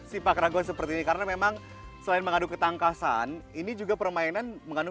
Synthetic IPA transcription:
sipakɾaɡɔsəpərt̪iːnikaɾənamemaŋ | səlaɪnməŋadukət̪aŋkasa̰ninid͡ʒuɡapərmainanməŋanu

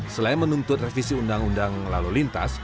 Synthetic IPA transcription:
səlaɪnmənunt̪ʊt̪̚refisiundaŋundaŋlalulint̪a̰s

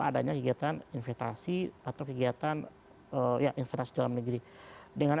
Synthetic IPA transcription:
aadaɲakəɡiat̪aninfɛst̪asiat̪awkəɡiat̪an | əjaʔinfɛst̪asidalamnəɡɾi | dəŋan

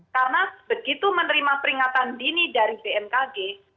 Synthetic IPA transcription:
kaɾənab̥əɡit̪umənəɾimapəɾiŋat̪andinidaɾib̥eʔɛmkaɡe

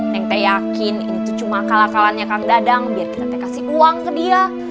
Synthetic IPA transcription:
jaŋt̪ajakɪninit̪ut͡ʃumakalakalanɲakaŋdadaŋbiarkiɾat̪akasiuaŋkədia

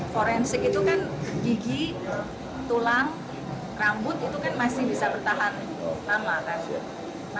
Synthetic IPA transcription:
foɾɛnsɪkit̪ukanɡiɡi | t̪ulaŋ | rambʊt̪̚it̪ukanmasɪhbisabərt̪aɦan | t̪amlakan | ma

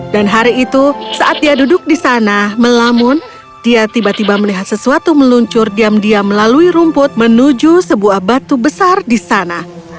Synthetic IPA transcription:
danɦaɾiːt̪usaʔat̪̚diadudʊk̚disanaməlamʊn | d̥iat̪ibat̪ibaməliɦat̪̚səsuat̪uməluɲt͡ʃʊrdiamdiaməlaluiɾumpʊt̪̚mənud͡ʒusəbuahbat̪ubəsardisana

